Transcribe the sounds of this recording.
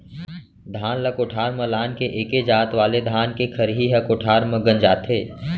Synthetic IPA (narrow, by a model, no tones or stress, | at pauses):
d̪ʱaːnləkoʈʰaːɾməlaːnkeʔeːked͡ʒaːt̪ʋaːled̪ʱaːnkekʰəɾɦiɦɐkoʈʰaːɾməɡənd͡ʒaːt̪ʰeː